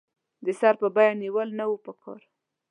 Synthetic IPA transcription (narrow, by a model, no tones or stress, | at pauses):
d̪əsɑɾpəbɑjaniwəlnawupəkʰɑ̰ɾ